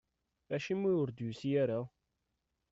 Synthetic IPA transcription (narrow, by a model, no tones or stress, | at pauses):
æʃimːujʊɾd̪jusjæɾæ